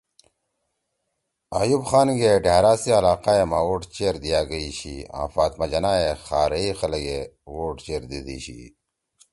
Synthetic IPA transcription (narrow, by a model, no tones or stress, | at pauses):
ajubxaːnɡeɖeːɾaːsiɐlaːqaːemawoːʈt͡ɕeːɾd̪ijaːɡɐiɕḭa̰ːfaːt̪mɐd͡ʑɐnaːexaːɾɐixɐlɐɡewoːʈt͡ɕeːɾd̪id̪ḭɕḭ